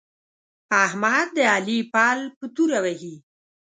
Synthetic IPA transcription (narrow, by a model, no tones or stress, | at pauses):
ahmad̪̚ːəalipɑːlpət̪uɾawahi